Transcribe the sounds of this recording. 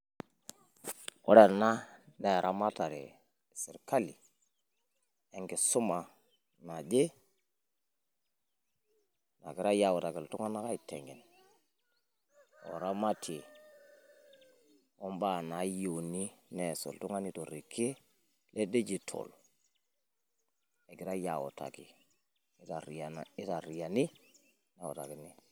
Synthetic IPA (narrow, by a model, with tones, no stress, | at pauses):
o̰˦ɾe˨ɾna˦ne˨ɾʔa˦ma˦ta˨ɾḛ˨ | si˨ɾka˦li˨ | e˨ŋki˨su˦ma˨ | na˨d͡ʒe˦ | na̰˨ki˨˦ɾa˦ja˨wu˨ta˨ki˨ltu˦ŋa˦na˦ka˦i˨tḛ˨ŋi˨n | o̰˨ɾa˦ma˦tʰi˨ | o˦mba˦˨na˨˦jo˨ni˦nɛ˨so̰˨ltu˦ŋa˦ni˦to˨ɾi˨ki˦ | le˦de˦d͡ʒi˨tʰo̰˨l | e˨ki˨˦ɾa˦ja̰˨wo̰˨ta̰˨ki˨˦ | ta˨ɾa˨n˨i˦ta˨ɾi˨ja˨ni˦ | na˨o̰˨ta̰˨ki˨ni˦